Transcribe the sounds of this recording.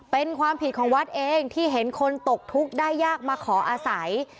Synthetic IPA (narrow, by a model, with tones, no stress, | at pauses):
pe˧nkʰwaː˧mpʰi˨˩t̪̚kʰɔː˩˦ŋwa˦˥t̪̚ʔeː˧ŋt̪ʰiː˥˩ɦe˩˦nkʰo˧nt̪o˨˩k̚t̪ʰu˦˥k̚daː˥˩jːaː˥˩k̚maː˧kʰɔː˩˦ʔaː˧sa˩˦j